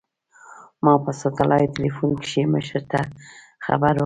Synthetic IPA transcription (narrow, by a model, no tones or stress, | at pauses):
mɑpasot̪alʔɑjt̪ɪlifunkʃeməʃəɾt̪a | xa̰baɾ